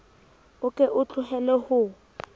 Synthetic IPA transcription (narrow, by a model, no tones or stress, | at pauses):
ʊkʼɛʔʊt͡ɬʰʼʊhɛlɛhʊ